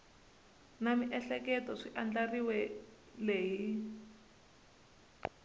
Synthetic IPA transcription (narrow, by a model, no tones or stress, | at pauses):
namiʔɛɬɛkɛtɔʂiʔand͡ɮariwɛ | leːjii